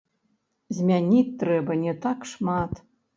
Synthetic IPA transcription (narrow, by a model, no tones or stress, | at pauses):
zʲmʲanʲitʲt̪ːɾɛbɐnʲɛt̪akʂmat̪